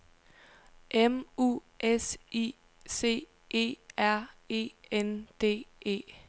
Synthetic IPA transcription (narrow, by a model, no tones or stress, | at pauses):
ʔemṵː | ʔesḭ | se̝̰ː | ʔe̝̰ːæɐ̰e̝̰ːend̥e̝̰ːe̝̰ː